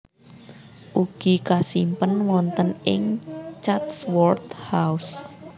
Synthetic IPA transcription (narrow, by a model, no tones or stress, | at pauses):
ʔuɡ̥i̤kasimpənwɔnt̪ənɪŋt͡ʃat̪swɔrt̪haus